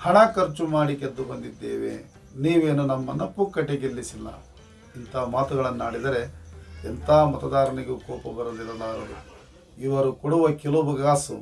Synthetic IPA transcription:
hɐɳɐkɐɾt͡ʃumaːɽiked̪ːubɐnd̪id̪ːḛːʋḛ | niːʋeːnunɐmːɐnɐpːukːɐʈːeɡilːisilːɐ̰ | int̪ɐmaːt̪uɡɐɭɐnːuaːɽid̪ɐɾe̞ɛnt̪ʰaːmɐt̪ɐd̪aːɾɐniɡukɔːpɐbɐɾɐd̪ilːɐlaːɾɐd̪ṵ | iʋɐɾukoɽuʋɐkɛlubɐɡaːsṵ

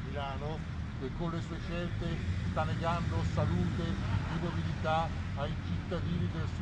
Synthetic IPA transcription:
milaːno | kekːonlesuːeʃɛlt̪est̪anːeɡand̪osaluːt̪epɾubabilit̪a | ajt͡ʃit̪ːad̪iːnid̪els

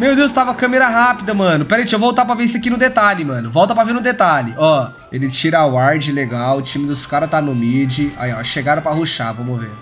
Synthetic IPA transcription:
mewd̪ewst̪avɐɐkɐ̃meɾɐɦapid̪ɐmɐ̃nʊpɛɾejt͡ʃiewvowt̪aɾp̬ɾɐvẽseakinʊd̪et̪alɪmɐ̃nʊvɔwt̪ɐpɾɐveɾnʊd̪et̪alɪʔɔ | elɪt͡ʃiɾɐawaɾd͡ʒɪleɡawʊt͡ʃĩmɪd̪ʊskaɾɐt̪anʊmid͡ʒɪa̰jɔʃeɡaɾɐ̃pɾɐɦoʃavõmovḛɾ

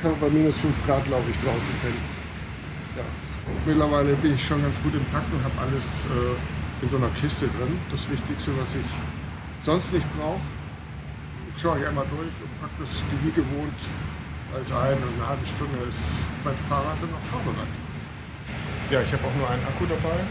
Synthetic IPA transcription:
haːbəbaɪmiːnʊsfʏnfɡ̥ʁaːt̚ɡ̥laʊbəɪçd̥ʁaʊsn̩kʰɛn | ja̰ː | ʔʊntmɪtlɐvaɪləbɪnɪçʃoːnɡant͡sɡ̥uːtɪmpʰak̚tʊntɦaːbəʔaləsʔɛːʔɪnzoːnɐkʰɪstədʁɪnd̥asv̥ɪçtɪçstəvasɪç | z̥ɔnstnɪçt̚b̥ʁaʊxə | ʃaʊɪçʔaɪnmaːldʊɐçʊntpʰak̚d̥asɡ̥əvyːɡəvoːnt | va̰ɪsʔaɪnnəhalbəʃtʊndəsmaɪnfaːʁatz̥anaʊffaɐbəna̰ɪn | jaːɪçhaːbəaʊxnuːɐʔaɪnʔakudabaɪ

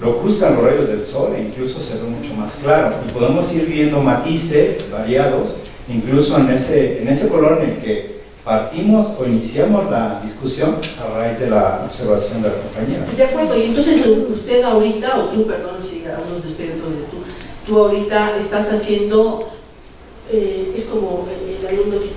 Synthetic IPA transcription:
lo̞kust̪anlozraʝo̞zðe̞lso̞lḭiŋkluso̞seβemut͡ʃo̞masklaɾo̞ipo̞ðemo̞siɾβje̞nd̪o̞mat̪ise̞sbaɾjaðo̞s | iŋkluso̞eneseːne̞se̞ko̞lo̞ɾene̞lke̞ | paɾt̪imo̞so̞inisjamo̞zlaðiskusjo̞naraizðe̞la̰o̰βse̞ɾβasjo̞nd̪e̞lako̞mpaɲeɾa̰d̪eakwe̞ɾðoie̞nt̪o̞nsesust̪e̞ðaoɾit̪aot̪upe̞ɾðo̞nosikaunozðeust̪eðent̪onsest̪ut̪uaoɾit̪aʔest̪asasje̞nd̪o | eesko̞moeelalumd̪ok

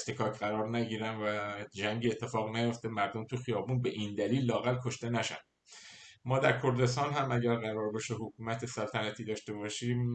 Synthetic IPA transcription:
st̪ekʰɒːcʰɢæɾɒːɾnæɟiːɾænvæd͡ʒæŋɟiet̪ʰːe̞fɒːɣnæjo̞ft̪emæɾd̪o̞mt̪ʰuxijɒːbuːnbe̞ʔiːnd̪æliːlːɒːɣælkʰo̞ʃt̪e̞næʃæ̰n | mɒːd̪æɾkʰo̞ɾd̪e̞st̪ɒːnhæmæɟæɾɣæɾɒːɾbeʃeɦokʰuːmæt̪ʰesælt̪ʰænæt̪ʰiːd̪ɒːʃt̪e̞bɒːʃiːm

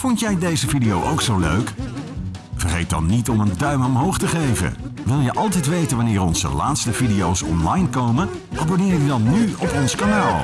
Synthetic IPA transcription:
fɔntjɛjdejzəvidijowʔowksowlø̰ɥk | vərχejt̚dɑ̰nːitɔməndœɥmɔmɦowχtəχejvə̰nʋɪlˠjəʔɑlˠt̬ɛjtʋejtənʋanɪːɾɔnz̥ə̰laːtstəvidijowsɔ̰nlɑjnkowmən | ʔaːbonɪːjədidɑnːyɔpɔnskanaːlˠ

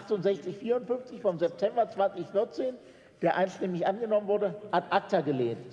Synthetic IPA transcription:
ʔaχtʊntz̥ɛçt͡sɪçfiːɐʁʊntfʏnft͡sɪçfɔmzɛp̚tʰɛmbɐt͡sv̥ant͡sɪçfɪɐt͡seːn | d̥eːɐʔaɪnstɪmɪçʔanɡənɔmənvʊɐdəhatʔak̚tɐɡəleːnt

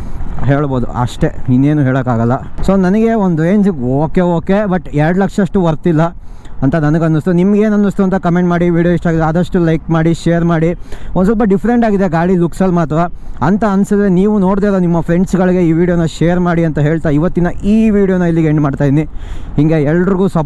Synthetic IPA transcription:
ɦeːɭboːd̪ṵɐ̰ʂʈe̞ninːe̞ːnuɦeːɭɐːkaːɡɐlːɐso̞ːnɐnɐɡe̞ond̪uɾeːnsiɡoːke̞oːke̞bɐʈɛɾɐɽlɐkʂɐʂʈuʋɐɾt̪ilːɐɐnt̪ɐnɐnɐɡɐnːust̪unimɐɡe̞ːnɐnːust̪uɐnt̪ɐkɐmeɳʈmaːɽiʋiːɽioiʂʈaːɡid̪ɐd̪ɐʂʈulɐjkmaːɽiʃeːjɐɾmaːɽiond̪usɐlp̬ɐɖifɐɾe̞ɳʈaːɡid̪eɡaːɭiluksɐlːmaːt̪ɾɐɐnt̪ɐɐnsɐd̪ɾeniːʋuno̞ːɖd̪eːlonimːɐpʰɾe̞ɳɖsɡɐɭɡe̞iːʋiːɽijoːnːɐʃeːɐɾmaːɽiɐnt̪ɐɦeːɭt̪aiʋɐt̪ːinɐiːʋiːɽijoːnɐilːiɡeɳɖmaːɖt̪aːjd̪inihiŋɡe̞ɛlːɐɖɾiɡuːsɐ

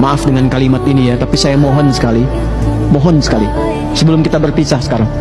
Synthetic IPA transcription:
maʔafdəŋankalimat̪inijat̪apisajamoɦɔnsə̥kali | moɦɔnsə̥kali | səbəlʊmkit̪abərpisahsə̥kaɾaŋ

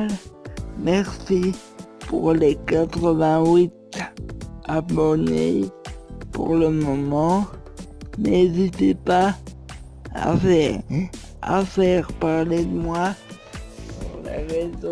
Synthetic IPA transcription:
mɛʁsi | puʁlekat̪χəvɛ̃wit̪ | abɔnḛ | pṵʁləmɔmɑ̃ | nezit̪epa | a̰fɛ | a̰fɛʁpaʁled̪əmwa | pṵʁlḛʁez

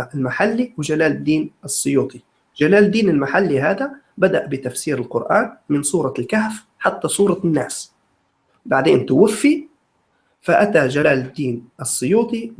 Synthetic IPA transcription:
ʔɪlmaħalːiwɪd͡ʒalaːlɪd̪ːiːnʔɨsˤːʊjuːt̪ˤi | d͡ʒalaːld̪iːnɪlmaħalːiɦaːd̪a | bad̪aʔbɪt̪afsiːɾɪlqʊ̰ɾʔaːnmɪnsuːɾˤɑlkahf | ħat̪ːasˤuːɾˤɑnːaːs | baʕd̪eːnt̪ʊwafːi | faʔat̪ad͡ʒalaːlɪd̪ːiːnʔɨsˤːʊjuːt̪ˤi

